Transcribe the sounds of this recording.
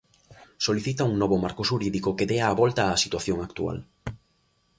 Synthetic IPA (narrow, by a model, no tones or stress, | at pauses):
soliθit̪auŋnɔβomaɾkoʃuɾiðikokeðeaːβɔlt̪ɐːsit̪waθjoŋakt̪ua̰l